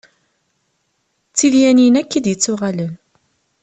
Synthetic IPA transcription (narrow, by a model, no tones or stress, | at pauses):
t͡sːiðjæninækːid̪jət͡sːʊʁalən